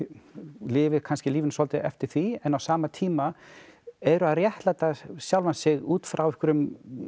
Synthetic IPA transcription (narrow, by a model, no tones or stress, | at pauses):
lɪːvɪkʰanscɪliːvɪnsɔlt̪ɪɛ̰ft̪ɪɾ̥θviɛnːawsaːmat̪ʰiːma | ɛɾʏaðrjɛht̪lajt̪asjawlvansɪɣuːt̪fɾawɪhkʏɾʏm